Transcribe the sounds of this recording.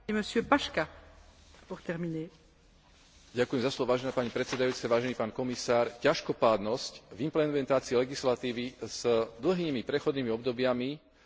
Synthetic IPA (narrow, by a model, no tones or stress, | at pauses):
eməsjøpaʃka | puʁt̪ɛʁmine | ɟakujɛmzaslɔʋɔʋaːʒɛnaːpaɲipɾɛt̪sɛd̪ajuːt͡sɛʋaːʒɛniːpaːnkɔmisaːɾcaʃkɔpaːd̪nɔscvimplɛmɛnt̪aːt͡siɛlɛɡislat̪iːʋiz̥d̪l̩ɦiːmipɾɛxɔd̪niːmiɔbd̪ɔbɪami